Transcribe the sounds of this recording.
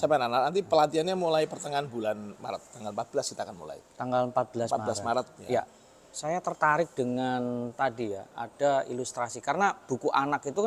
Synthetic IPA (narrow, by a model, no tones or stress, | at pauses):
sapɛnananant̪̬ipəlat̪ianɲamulaipərt̪əŋanbulanma̰ɾət̪ːaŋɡaləmpat̪̚b̥əlaskit̪akanmṵla̰ḭt̪aŋɡaləmpat̪̚b̥əlasambblasmaɾət̪̚aja | sajat̪ərt̪aɾɪk̚dəŋant̪adijaa̰d̥aḭlust̪ɾasikaɾənab̥ukuʔanakit̪uka